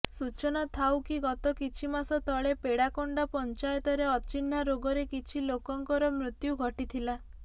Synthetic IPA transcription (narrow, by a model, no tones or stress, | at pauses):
sut͡ʃɔnat̪ʰawkiɡɔt̪ɔkit͡ʃʰimasɔt̪ɔɭepeɽakɔɳɖɔpɔnt͡ʃajɔt̪ɔɾeɔt͡ʃinːaɾoɡɔɾekit͡ʃʰilokɔŋkɔɾɔmɾut̪juɡʱɔʈit̪ʰila